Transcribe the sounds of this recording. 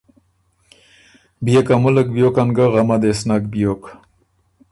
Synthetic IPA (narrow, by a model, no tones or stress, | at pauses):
bijekamulək̚bijokanɡaʁamad̪esnakbijok